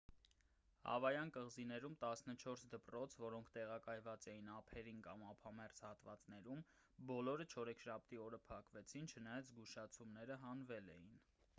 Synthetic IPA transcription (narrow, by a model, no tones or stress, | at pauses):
hɑ̰vɑjɑnkəʁzinɛɾumt̪ɑsnət͡ʃʰɔɾsd̪əpɾrɔt͡sʰvɔɾɔŋkʰt̪ɛʁɑkɑjvɑt͡sɛjinɑpʰɛɾinkɑmɑpʰɑmɛɾt͡shɑt̪vɑ̰t͡sn̪ɛɾum | bɔlɔɾət͡ʃʰɔɾɛkʰʃɑp̚t̪iɔɾəpʰɑkvɛt͡sʰint͡ʃʰənɑjɑzɡuʃɑt͡sʰumnɛɾəɦɑnvɛlɛ̰jin